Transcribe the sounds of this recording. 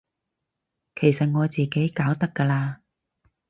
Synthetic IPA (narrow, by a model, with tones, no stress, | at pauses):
kʰe˨˩jsɐ˨t̚ŋɔː˨˧t͡siː˨ke˨˥jkaː˨˥wt̪ɐ˥kːɐː˧laː˧